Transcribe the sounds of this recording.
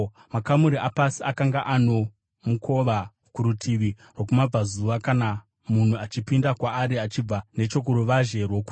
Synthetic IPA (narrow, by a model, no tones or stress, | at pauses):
makamuɾiʔapasiakaŋɡaʔano̞ | mukʰo̞ʋa | kuɾutʰiʋi | rwok̬umab͡vazuʋakana | mun̤uat͡ʃipindakwaːɾiat͡ʃib͡vane̞t͡ʃo̞k̬uɾuʋaʒe̞rwoku